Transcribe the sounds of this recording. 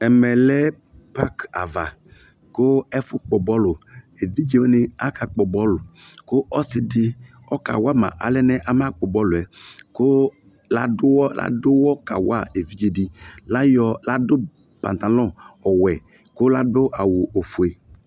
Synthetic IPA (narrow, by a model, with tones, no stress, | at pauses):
ɛ˨mɛ˨lɛ˦ | pa˦ka̰˨va˨ | kʊ˦ɛ˦fʊ˦k͡pɔ˨bɔ˦lʊ˨ | e˨di˦d͡ʒe˦we˦nɪ˦a˦ka˨k͡pɔ˨bɔ˦lʊ˨ | kʊ˦ʔɔ˦sɪ˦dɪ˦ | ɔ˦ka̰˨wa˦mã̰˨ʔa̰˨lɛ˦nɛ˦ʔa˨ma˦k͡pɔ˨bɔ˦lʊ˨ɛ˨kʊ˦ | la˦dʊ˦wɔ˦la̰˦dʊ˦wɔ˦ka̰˨wa˦˨e˨vi˦d͡ʒe˨di˦la˦jɔ˨la˦dʊ˦ | pa̰˨t̪a˨lɔ̃˦ɔ˨wɛ˨ | kʊ˦la˦dʊ˦ʔa˨wu˨ʔo˨fu˨e˨